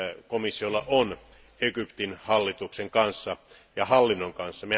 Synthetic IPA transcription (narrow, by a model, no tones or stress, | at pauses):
komisːiolːɑʔon | ekypt̪inhɑlːit̪ukseŋkɑnsːɑ | jɑhɑlːinːoŋkɑnsːɑme